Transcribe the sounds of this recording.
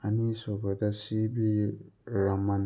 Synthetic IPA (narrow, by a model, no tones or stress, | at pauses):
anisɔbad̪asibiɾamãn